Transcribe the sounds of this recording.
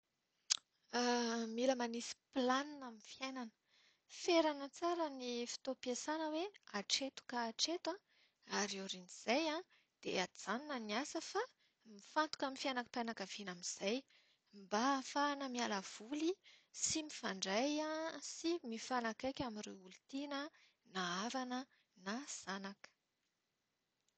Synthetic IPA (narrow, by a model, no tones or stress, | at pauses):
miləmanisi̥planinamifjajnanə̥ | feɾanət͡saɾənifi̥t̪opjesanəweaʈ͡ʂet̪u̥kaːʈ͡ʂet̪ã | aɾoɾiniz̥ajã | d̪̥ead͡zaninəniasəfa | mifant̪u̥kaminfianakḁpanakav̥inamiz̥aj | mbaːfanəmialav̥ulisimifaɳɖ͡ʐajãsimifanakajkʲamireulut̪inə | naaɾanə | naz̥anakə̥